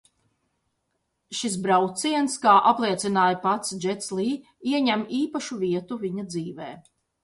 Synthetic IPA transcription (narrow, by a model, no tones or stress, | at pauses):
ʃisbɾawt̪siɛnskaːʔaplˠiɛt̪sinaːjapat̪sd͡ʒɛt̪sliː | iɛɲæmiːpaʃuviɛt̪uviɲad̪ziːveː